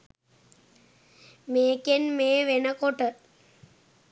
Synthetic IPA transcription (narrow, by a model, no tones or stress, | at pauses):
meːkenmeːʋenəkoʈə